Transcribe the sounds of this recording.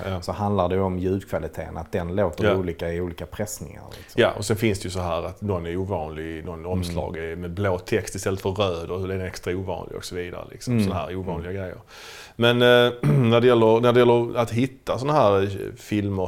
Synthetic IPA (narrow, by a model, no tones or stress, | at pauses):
ɑsɔhand̪laɖɛɔmjʉ̟ːd̪kʰvalɪt̪ʰḛːəna̰t̪̚d̪ɛnloːt̪əɾuːliːkaɪuːliːkapʰɾɛsnɪŋa̰ɾlɪ̰sjaʔɔsɛnfɪnsd̪ɛjʉsɔɦæːɾat̪nɔnɛɾuːvɑːnlɪɡnɔnɔmslɑ̰ːɡɛmɛbloːt̪ʰɛkst̪ɪst̪ɛlːət̪fœɾrøːd̪əɾhɵlɛdɛnɛkst̪ɾauːvɑ̰ːnlɪ̰ɡɔ̰ksɔviːd̪a̰ɾə̰lɪ̰ksɔmmsɔnaɦæ̰ːɾuːvɑːnlɪɡaɡɾɛjːə̰ɾ | mɛnnæɖɛjɛlːəɾnæɖɛjɛlːəɾat̪ɦɪt̪ːasɔnaɦæːɾfɪlmə